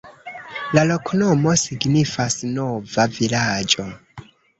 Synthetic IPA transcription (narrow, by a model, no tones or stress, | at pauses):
lalo̞kʰnomo̞siɡnifasnovavilad͡ʒo